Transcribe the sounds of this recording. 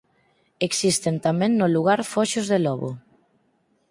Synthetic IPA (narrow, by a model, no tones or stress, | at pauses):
eksist̪ent̪amẽŋnoluɣ̞aɾfɔʃozðelɔβo̰